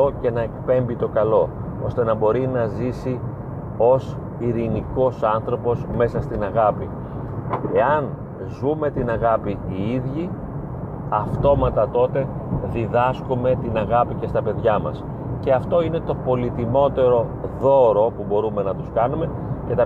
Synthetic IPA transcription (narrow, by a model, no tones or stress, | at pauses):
oce̞nɐe̞kpe̞mbit̪o̞kɐlo̞ | o̞̰st̪e̞nɐbo̞ɾinɐzisi | o̞s | iɾiniko̞sɐnθɾo̞po̞sme̞sɐst̪inɐɣɐpḭ | e̞ɐn | zume̞t̪inɐɣɐpiiiðʝi | ɐft̪o̞mɐt̪ɐt̪o̞t̪e̞ | ðiðɐskume̞t̪inɐɣɐpice̞st̪ɐpe̞ðʝɐmɐ̰s | ce̞ɐft̪o̞ine̞t̪o̞po̞lit̪imo̞t̪e̞ɾo̞ðo̞ɾo̞pubo̞ɾume̞nɐt̪uskɐnume̞ | ce̞t̪ɐ